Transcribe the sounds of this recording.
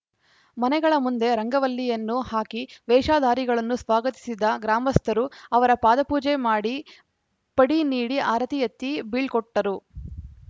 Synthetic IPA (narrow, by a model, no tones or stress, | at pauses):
mɐnɛɡɐɭɐmund̪e̞ɾɐŋɡɐʋɐlːijɐnːuhaːkiʋɛːʂaːd̪ʱaːɾiɡɐɭɐnːusʋaːɡɐt̪i̥sid̪ɐɡɾaːmɐst̪ʰɐɾuɐʋɐɾɐpaːd̪ɐpuːd͡ʒemaːɽi | pɐɽiniːɽiʔaːɾɐt̪ijɐt̪ːibiɭkɔʈːɐɾu